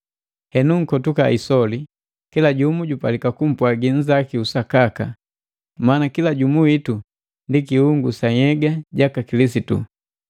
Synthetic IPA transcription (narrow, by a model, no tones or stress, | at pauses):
hɛnuŋ̩kɔtuka̰isɔli | kilaɟumuɟupalikakum̩pwaɡin̩zakiusakaka̰ | maːnakilaɟumuwitu | ndikihuŋɡusaɛɡaɟakakilisitṵ